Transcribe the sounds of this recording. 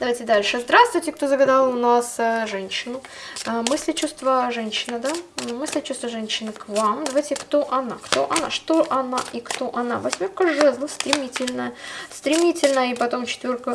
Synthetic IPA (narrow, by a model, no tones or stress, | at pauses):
d̪ɐvajtʲɪd̪alʲʂɨzd̪ɾast̪vʊjtʲɪk̚t̪ozəɡɐd̪alˠʊnasʐɛnʲɕːɪnʊ | mɨsʲlʲɪt͡ɕust̪vəʐɛnʲɕːɪnɨd̪amɨsʲlʲɪt͡ɕust̪vəʐɛnʲɕːɪnɨkvamd̪ɐvajtʲɪkt̪oʔɐnakt̪o̰ʔɐna̰ʂt̪oʔɐnaʔikt̪o̞ʔɐna̰vɐsʲmʲorkəʐɛzlˠəst̪ɾʲɪmʲitʲɪlʲnəjəst̪ɾʲɪmʲitʲɪlʲnəjəipɐt̪o̞mt͡ɕɪ̥t̪vʲorkə